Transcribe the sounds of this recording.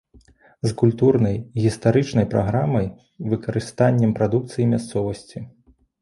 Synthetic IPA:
zkulʲt̪urnɐjɣʲist̪aɾɨt͡ʂnɐjpɾaɣɾamɐj | vɨkɐɾɨst̪anʲːɛmpɾad̪ukt̪sɨjimʲast̪sɔvɐsʲt͡sʲi

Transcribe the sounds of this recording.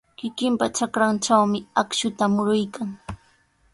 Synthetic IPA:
kɪkɪmpat͡ʃakɾant͡ʃawmɪakʃʊt̪amʊɾʊjkaŋ

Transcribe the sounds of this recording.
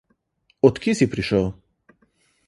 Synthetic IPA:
ɔt̪kisipɾiʃəw

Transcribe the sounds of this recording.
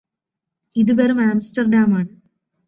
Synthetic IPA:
iðɨʋɐɾumaːmsʈɐrɖaːmaːɳɨ

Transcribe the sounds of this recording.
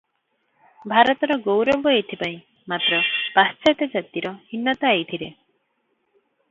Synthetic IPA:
bʱaɾɔt̪ɔɾɔɡowɾɔbɔet̪ʰipaĩ | mat̪ɾɔb̥ast͡ʃat̪ɔd͡ʒat̪iɾɔhinːɔt̪aajt̪ʰiɾe

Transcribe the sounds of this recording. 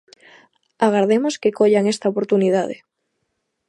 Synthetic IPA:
aɣ̞aɾð̞emoskekoʎaŋest̪aopoɾt̪unið̞að̞ḛ

